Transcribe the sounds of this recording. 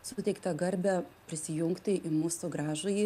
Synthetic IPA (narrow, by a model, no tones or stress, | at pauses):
sʊt̪ʲɛɪkt̪ɐɡɐɾʲbʲɛpʲɾʲɪsʲɪjʊŋkt̪ʲɪʔɪmuːsʊɡɾɑːʒʊjɪ